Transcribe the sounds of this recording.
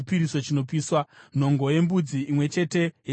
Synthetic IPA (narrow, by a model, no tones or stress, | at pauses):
ipiɾiso̞t͡ʃino̞p̬iːswan̤o̞ŋɡo̞je̞mbud͡ziːmwe̞t͡ʃe̞te̞je